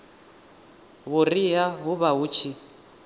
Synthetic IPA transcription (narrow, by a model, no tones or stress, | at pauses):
βʊriɦaɦʊβaɦuːt͡ʃʰi